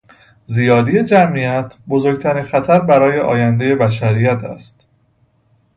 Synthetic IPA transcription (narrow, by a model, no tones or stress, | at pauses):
zijɒːd̪ije̞d͡ʒæmiæt̪ʰbozoɾɡ̚t̪ʰæɾinxæt̪ʰæɾbæɾɒːje̞ʔɒ̰ːjænd̪eje̞bæʃæɾiːjæt̪ʰæ̰st̪